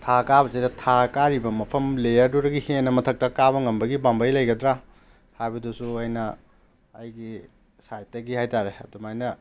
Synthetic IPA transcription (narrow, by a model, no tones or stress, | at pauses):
tʰakabɐsejdɐtʰakaɾibɐmɐpʰɐmlejɐɾduɾɐɡihenːɐmɐtʰɐk̚tɐkaβɐŋɐmbɐɡibambɐjlɐjɡɐdɾa | hajbɐdusuɐjnɐː | jɡi | sajtɐɡihajtaɾeɐdumajnɐ